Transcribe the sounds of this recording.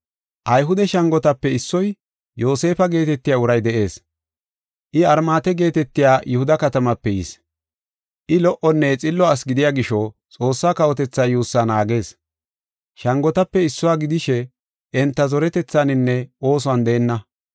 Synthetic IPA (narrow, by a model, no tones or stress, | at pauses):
ʔɐjɦʊd̪ɛʃɐŋɡɔt̪ɐpːɛɪsːɔj | jo̞ːse̞ːfɐɡe̞ːt̪ɛt̪ːɪjaːʊɾɐjd̪ɛʔe̞ːs | ʔɪɐɾmaːt̪ɛɡe̞ːt̪ɛt̪ːɪjaːjʊhʊd̪ɐkɐt̪ɐmɐpːɛjɪs | ʔɪlɔʔɔnːɛt͡sʼɪlːɔɐs̬ɡɪd̪ɪjaːɡɪʃɔt͡sʼo̞ːsːaːkɐwɔt̪ɛt͡sːaːjuːsːaːnaːɡe̞ːs | ʃɐŋɡɔt̪ɐpːɛɪsːɔwaːɡɪd̪ɪʃɛ | ɛnt̪ːɐzɔɾɛt̪ɛt͡sːanɪnːɛo̞ːs̬ʊɐnd̪eːnːɐ